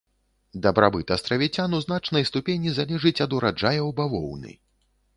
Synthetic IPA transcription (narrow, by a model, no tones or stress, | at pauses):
d̪ɐbɾabɨt̪ɐst̪ɾɐvʲit͡sʲanuzn̪at͡ʂnɐjst̪upʲenʲizalʲɛʐɨt͡sʲɐd̪uɾad͡ʐajɐwbavɔ̰wnɨ̰